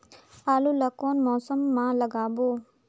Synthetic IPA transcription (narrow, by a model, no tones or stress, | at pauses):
aːluːləkoːnmɔːsəmːãːləɡaːboː